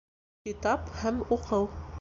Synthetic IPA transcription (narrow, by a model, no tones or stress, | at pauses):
kit̪ɑphæmuqʰɤw